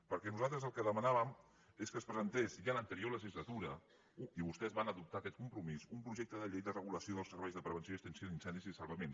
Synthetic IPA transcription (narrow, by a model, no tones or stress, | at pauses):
pəɾkɛnuzalˠt̪ɾəzəlˠkəðəmənaβəm | eskəːspɾəzənt̪esʒalənt̪əɾioləʒizlət̪uɾə | iβust̪ɛzβanəðup̚t̪akɛt̪kumpɾumizumpɾuʒek̚t̪əðəʎejðərəɣ̞uləsioðəlˠsəɾβɛjzðəpɾəβ̞ənsioiəkst̪ənsiod̪insɛnd̪iziðəsəlˠβəmens